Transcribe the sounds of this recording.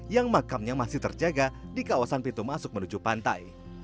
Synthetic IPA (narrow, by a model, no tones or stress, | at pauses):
jaŋmakamɲamasɪht̪ərd͡ʒaɡadikawasanpint̪umasʊk̚mənud͡ʒupant̪a̰j